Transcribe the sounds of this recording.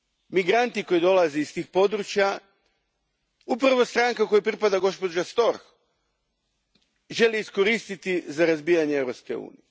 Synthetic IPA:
miɡɾant̪iko̞jd̪o̞lazeist̪iːxpo̞d̪ɾut͡ʃja | upɾaʋo̞st̪ɾaŋkako̞jupɾipad̪aɡo̞spo̞d͡ʒast̪o̞ɾx | ʒe̞liːsko̞ɾist̪it̪izaɾazbiːjaɲeeʋɾo̞pske̞ṵːnḭje

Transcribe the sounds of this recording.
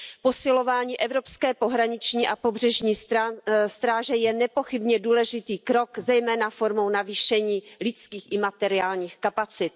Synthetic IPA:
po̞sɪlo̞vaːɲiːʔɛvɾo̞pskɛːpo̞ɦɾaɲɪt͡ʃɲiːʔapobr̝ɛʒɲiː | st̪ɾaːʒɛjɛnɛpo̞xɪbɲɛduːlɛʒɪt̪iːkɾo̞kzɛjmɛːnafoɾmo̞wnaviːʃɛɲiːlɪt͡skiːxʔɪmat̪ɛɾɪaːlɲiːxkapat͡sɪt̪̚

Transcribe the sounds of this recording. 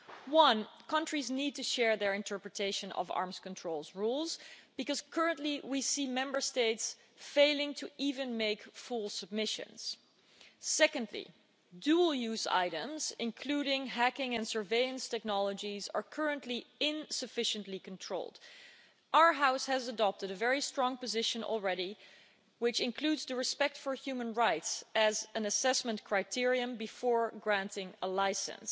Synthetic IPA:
wʌ̃nkʰʌ̃ntɹ̥iznid̚tɨʃɛɹðə˞ɨ̃ntʰɜ˞pɹɨtʰeɪʃɨ̃nʌ̰vɑ̰ɹmz̥kə̃n̩tʰɹ̥oʊlˠzɹulˠzb̥ɨkʌz̥kʰɜ˞ə̃nʔliwisimɛ̃mbə˞steɪts | feɪlˠɪ̃ŋtʰɨivɨ̃nmeɪkfulˠsəb̚mɪʃɨ̰̃nz̥ | sɛkɨ̃ndlḭ | dul̩ˠjʉza̰ɪɾə̃mzɪ̃nkʰl̥uɾɪ̃ŋɦækɪ̃ŋɨ̃nsə˞veɪɨ̃nstʰɛk̚nɑlˠəd͡ʒizə̰˞kʰɜ˞ɨ̃nʔliɪ̃nsɨfɪʃɨ̃nʔlikn̩tʰɹ̥oʊlˠd̥ | ʔaʊə˞ɦaʊshɨzədɑp̚tɨɾɨvɛɹistɹ̥ɔ̃ŋpɨzɪʃɨ̃n̰l̩ˠɹɛɾi | wɪt͡ʃɨ̃nkʰl̥udzðɨɹɨspɛk̚tfə˞hjʉmə̃nɹaɪtsɨzɨ̃nɨsɛsmə̃ntkʰɹ̥aɪtʰɪɹiɨ̃mbɨfɔɹɡɹæ̃ntɪ̃ŋəlaɪsɨ̰̃ns

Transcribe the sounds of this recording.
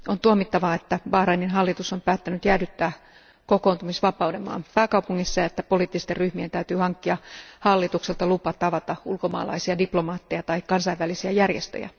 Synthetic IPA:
ont̪uomit̪ːɑʋɑet̪ːæʋɑːhrɑininɦɑlːit̪usompæːt̪ːænyt̪jæːdyt̪ːæː | koko̞ːnt̪umisʋɑpɑudemɑ̰ːmpæːkɑwpuŋːisːɑjɑet̪ːæpo̞liːt̪ːist̪erryhmient̪æyt̪yːhɑŋkːiɑhɑlːit̪ukselt̪ɑlupɑt̪ɑʋɑt̪ɑulkomɑ̰ːlɑ̰isiɑdiplo̞mɑːt̪ːejɑt̪ɑikkːɑnsɑiʋælisiæjærjest̪ø̰jæ̰

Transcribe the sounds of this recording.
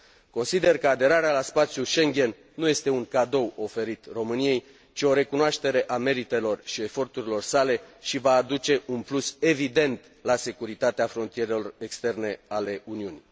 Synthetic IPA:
ko̞nsid̪e̞rkəad̪e̞ɾaɾealaspat̪sjuʃe̞ŋɡʲe̞n | nuje̞st̪e̞uŋkad̪o̞wo̞fe̞ɾit̪ro̞mɨnije̞j | t͡ʃio̞ɾe̞kunoaʃt̪e̞ɾe̞ʔame̞ɾit̪e̞lo̞rʃie̞fo̞rt̪uɾilo̞rsale̞ʃivaːd̪ut͡ʃe̞ʔunpluse̞vid̪e̞nt̪ | lase̞kuɾit̪at̪eafɾo̞nt̪ije̞ɾe̞lo̞rekst̪e̞rne̞ale̞uniuni

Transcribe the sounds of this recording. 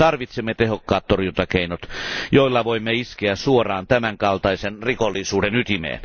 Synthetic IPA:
ɑrʋit̪semːet̪ehokːɑːt̪t̪orjunt̪ɑkeinot̪joilːɑʋoimːeiskeæsuorˑɑːnt̪æmæŋkɑlt̪ɑisenrikolːˑisuːdenyt̪imḛːn

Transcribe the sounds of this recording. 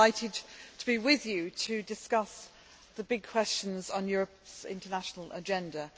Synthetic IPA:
aɪtʰɪd̚tʰəbiwɪðjətʰədɪskʌs | ðəbɪɡ̚kʰw̥ɛst͡ʃə̃nzn̩jɔːɹəpsɪ̰̃ntənaʃənəlʔə̰d͡ʒɛ̃ndə

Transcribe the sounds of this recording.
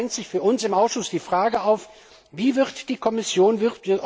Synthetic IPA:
ŋtz̥ɪçfyːɐʊnsɪmʔaʊsʃʊsd̥iːfʁ̥aːɡəaʊf | viːvɪʁtd̥iːkʰɔmɪsjoːnvɪt

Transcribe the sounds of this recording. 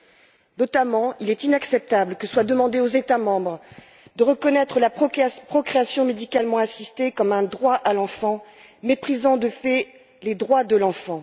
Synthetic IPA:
nɔt̪amɑ̃ilɛt̪inaksɛp̚t̪abləkəswad̪əmɑ̃d̪eozet̪amɑ̃bʁ | d̪əʁəkɔnɛt̪χəlapχɔkχeasjɔ̃med̪ikalmɑ̃asist̪ekɔmɛ̃d̪ʁwaʔalɑ̃fɑ̃ | mepχizɑ̃d̪əfɛ | led̪ʁwad̪əlɑ̃fɑ̃

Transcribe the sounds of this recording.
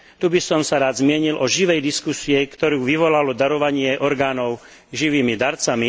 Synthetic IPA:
t̪ubisɔmsaɾaːd̪zmɪɛɲilʔɔʒiʋɛjd̪iskusiɛkt̪ɔɾuːʋiʋɔlalɔd̪aɾɔʋaɲɪɛʔɔɾɡaːnɔʊ | ʒiʋiːmid̪aɾt͡sami

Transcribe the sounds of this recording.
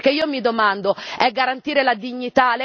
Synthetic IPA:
k̟eiːomid̪omand̪oɛɡːaɾant̪iːɾelad̪iɲːit̪al

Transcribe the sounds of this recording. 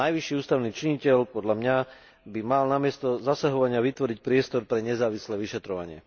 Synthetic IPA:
najʋiʃiːuːst̪aʊniːt͡ʃiɲicɛʎpɔd̪ʎamɲa | bimalnamɪɛst̪ɔzasaɦɔʋaɲɪaʋit̪ʋɔɾic̚pɾɪɛst̪ɔɾpɾɛɲɛzaːʋislɛːʋiʃɛt̪ɾɔʋa̰ɲɪɛ̰

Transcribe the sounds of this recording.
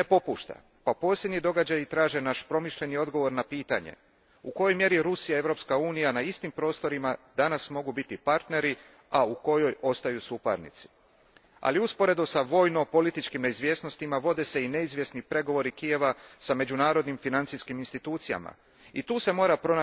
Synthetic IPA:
nepo̞puːʃt̪a̰ | papo̞ːsjed̪ɲid̪o̞ɡad͡ʑajit̪ɾaːʒe̞naʃpɾo̞miʃʎe̞nio̞d̪ɡo̞ʋo̞ɾnapiːt̪a̰ɲe̞̰ | uko̞jo̞jmje̞ɾiɾusijae̞ʋɾo̞pskauːnijanaist̪impɾo̞ːst̪o̞ɾimad̪anasmo̞ɡubit̪ipaɾt̪ne̞ɾi | auko̞jo̞jo̞st̪ajusupa̰ɾnḭt̪si̥ | a̰liuspo̞ɾe̞d̪usaʋo̞ːjno̞po̞lit̪it͡ʃkimne̞izʋje̞ːsno̞st̪imaʋo̞d̪e̞se̞ine̞izʋje̞snipɾe̞ɡo̞ʋo̞ɾikije̞ʋasame̞d͡ʑunaːɾo̞d̪nimfinant̪siskiminst̪it̪uːt̪sija̰ma̰ | it̪uːse̞mo̞ːɾapɾo̞na

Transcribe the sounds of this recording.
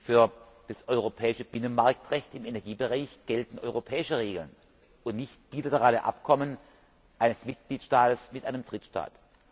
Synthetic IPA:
fyːɐ | d̥asʔɔʏʁ̞opʰɛːɪʃəb̥ɪnənmaɐk̚tʁɛçtɪmenɛɐɡiːbəʁaɪçɡ̥ɛltn̩ʔɔ̰ʏʁopʰɛːɪʃəʁeːɡl̩n | ʔʊntnɪçtb̥iːlatəʁaːləʔa̰pkʰɔmən | ʔaɪnəsmɪt̚ɡ̥liːtʃtaːtəsmɪtʔaɪnəmd̥ʁɪtʃta̰ːt

